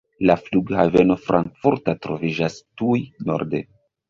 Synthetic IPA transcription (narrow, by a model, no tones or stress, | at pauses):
lafluɡhave̞no̞fɾʔa̰ŋkfuɾtatɾo̞vid͡ʒastujno̞̰ɾde